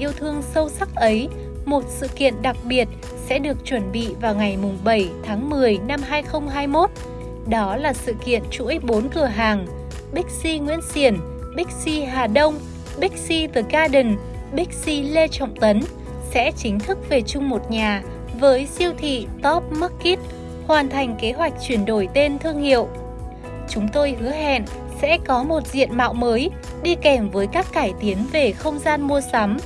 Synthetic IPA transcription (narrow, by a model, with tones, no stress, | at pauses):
ʔi˧əwt̪ʰɨ˧əŋsə˧wsa˦˥k̚ʔə˨˦j | mo˨˩t̚sɨ̰˧˨kḭ˧˨ənɗa˨˩k̚ɓi˨˩ət̚ | sɛ̰˧˥ɗɨ˨˩ək̚t͡ɕwə˧˩nɓḭ˧˨vaː˨˩wŋa˨˩jmʊ˨˩ŋ͡mɓə˧˩jt̪ʰaː˨˦ŋmɨ˨˩əjna˧mɦaː˧jxə˧wŋ͡mɦaː˧jmo˦˥t̚ | ɗɔ˨˦laː˨˩sɨ̰˧˨kḭ˧˨ənt͡ɕṵ˧˥əjɓo˨˦nkɨ˨˧˩əɦaː˨˩ŋ | ɓï˦˥k̟̚si˧ŋwḭ˧˥ənsi˧˩ən | ɓï˦˥k̟̚si˧ɦaː˨˩ɗə˧wŋ͡m | ɓi˦˥k̟̚si˧t̪ɨ˨˩kaː˧ɗï˨˩ŋ̟ | ɓi˦˥k̟̚si˧le˧t͡ɕɔ̰˧˨wŋ͡mt̪ə˨˦n | sɛ̰˧˥t͡ɕï˨˦ŋ̟t̪ʰɨ˦˥k̚ve˨˩t͡ɕʊ˧ŋ͡mmo˨˩t̚ɲaː˨˩ | vəː˨˦jsi˧əwt̪ʰḭ˧˨t̪ɔ˦˥p̚mə˦˥kki˦˥t̚ | hwaː˨˩nt̪ʰa˨˩jŋ̟ke˨˦ɦwa˨˩jk̟̚t͡ɕwi˧˩ənɗo˧˩jt̪e˧nt̪ʰɨ˧əŋhḭ˧˨əw | t͡ɕʊ˨˦ŋ͡mt̪o˧jhɨ˨˦əɦɛ̰˧˨n | sɛ̰˧˥kɔ˨˦mo˨˩t̚zḭ˧˨ənma̰ː˧˨wməː˨˦j | ɗi˧kɛ˧˩mvəː˨˦jkaː˦˥kːaː˧˩jt̪i˨˦ənve˨˩xə˧wŋ͡mzaː˧nmu˧əsa˨˦m